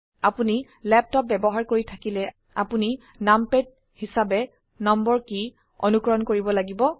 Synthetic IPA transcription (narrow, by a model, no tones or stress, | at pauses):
apuni | lɛp̚tɔp̚bɛbɔɦaɹkoɹitʰakilɛ | a̰puni | nampet̚ | hisabɛ | nɔmbɔɹki | ɔ̰nukɹɔnkoɹibɔlaɡibɔ